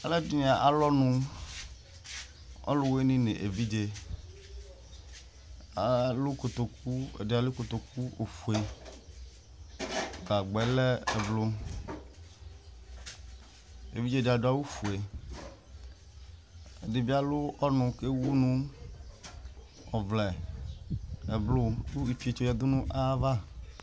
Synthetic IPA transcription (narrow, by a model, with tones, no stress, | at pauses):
a˦le˦du˦ɲĩ˨a˨ʔa˨lɔ˦nũ˦ | ɔ̰˦lo˦we˦nĩ˦nẽ˨ʔe˨vi˦d͡ʒe˦ | a˨lo˦ko˨t̪o˨ku˦ḛ˨de˨a˨le˦ko˨t̪o˨ku˦o˨fu˨e˨ | ɡ͡ba˨ɡ͡bɛ˨le˦e˨blo˦ | ḛ˨vi˦d͡ʒe˦˨da˨ɖo˨a˦wu˦fu˨e˨ | e˨de˨bi˦a˦lʊ˦ɔ˦nʊ̃˨ke˦wu˦nũ˦ | ɔ˨vlɛ˨ | e˨blo˦ku˦i˨fi˦e˨t͡ʃo˦˨ja˨d̪o˦nũ˦ʔa˦va˦